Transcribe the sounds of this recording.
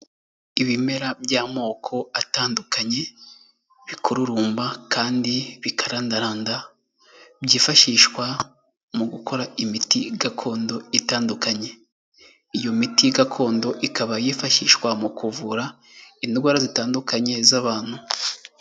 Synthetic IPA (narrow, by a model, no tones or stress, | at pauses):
iβime̞ɾabjaːmo̞ːkʰo̞ataːndukaɲe̞ | βikʰuɾuɾuːmbakʰaːndiβikaɾandaɾaːnda | bjiːfaʃiʃkwa | muɡukʰo̞ɾaimitiɡakʰo̞ːndo̞itaːndukaɲe̞ | ijo̞mitiɡakʰo̞ːndo̞ʔikaβajiːfaʃiʃkwamukuvuɾa | indɡwaːɾazitaːndukaɲe̞zaβaːn̥hu